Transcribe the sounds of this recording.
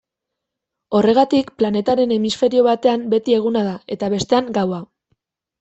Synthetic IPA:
o̞re̞ɣ̞at̪ikplane̞t̪aɾe̞ne̞misfe̞ɾio̞βat̪e̞ambe̞t̪ie̞ɣ̞unaðae̞t̪aβ̞e̞st̪e̞aŋɡawa

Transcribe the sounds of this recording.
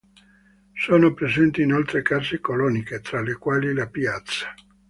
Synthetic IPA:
soːnopɾezɛnt̪iːnolt̪ɾekazekolɔniket̪ɾalːekwaːlilapjat̪sːḁ

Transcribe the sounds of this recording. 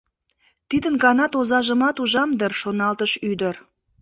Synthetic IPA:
t̪id̪ənɡɑnɑt̪ozɑʒəmɑt̪uʒɑmd̪ərʃonɑlt̪əʃyd̪əɾ

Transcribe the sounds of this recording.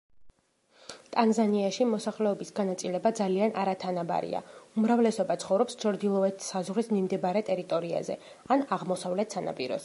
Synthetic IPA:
t̪ʼanzaniaʃimɔsaχlɛɔbisɡanat̪sʼilɛbad̪zaliana̰ɾat̪ʰanaba̰ɾḭa̰umɾavlɛsɔbat̪sʰχɔvɾɔpst͡ʃʰɔɾd̪ilˠɔɛt̪ʰi̥sazʁɾismimd̪ɛbaɾɛt̪ʼɛɾit̪ʼɔɾia̰zɛ̰ | anaʁmɔsavlɛt̪ʰsana̰pʼiɾɔ̰s

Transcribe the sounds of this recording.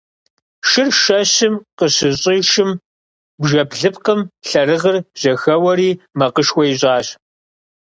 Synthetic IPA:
ʃɪrʃɐɕɪmqəɕɨɕʼiːʃɪm | bʒɐpɮɨpqəmɬɐrɨʁərʑ̥ɐxɐwɐɾiːmɐqəʃxʷɔjʑʼɑːɕ

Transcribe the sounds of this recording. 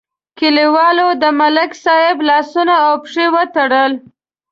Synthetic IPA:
kɪliwɑlod̪əmalɪksɑhɪblɑsunaːwpʂewət̪aɽəl

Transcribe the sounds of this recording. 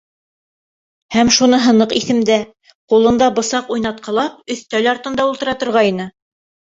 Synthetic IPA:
hæmʃunɤɦɤ̆nɤqiθɘ̆md̪æ | qulˠɤ̆nd̪ɑbɤ̆sɑqujnɑt̪̚qɑlˠɑp̚ɵ̆θt̪ælɑɾt̪ɤ̆nd̪ɑulˠt̪ɤ̆ɾɑt̪ŏɾʁɑjnɤ

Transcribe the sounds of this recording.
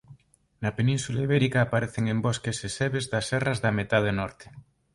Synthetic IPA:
nɐpenĩnsulaiβɛɾikaːpaɾeθeŋemboskeseseβezðɐsɛrɐzðɐmet̪aðenɔɾt̪e̥

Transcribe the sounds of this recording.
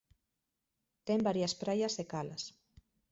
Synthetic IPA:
t̪ɛmbaɾjɐspɾajɐzðekalɐs

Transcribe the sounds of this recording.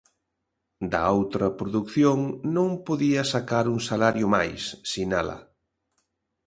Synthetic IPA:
d̪ɐ̰owt̪ɾɐpɾoðukθjoŋnõŋpoðiɐsakaɾuŋsalaɾjʊmajsːinalɐ̰

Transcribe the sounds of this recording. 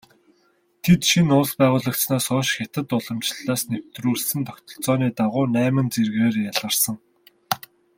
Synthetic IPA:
t̪ʰet̪ʃinʊspæːʁʊːɮə̆k̪̚t͡snaːsɔːʃxʲat̪ə̆t̪ʊɮɞ̆mt͡ɕɮaːsnew̥t̪ruːɮsɘ̆nt̪ʰɔkt̪ɞ̆ɬt͡sɔːniːt̪aʁʊːnæːmɘ̆nt͡serɣeːrjaɮʁə̆rsə̆ŋ

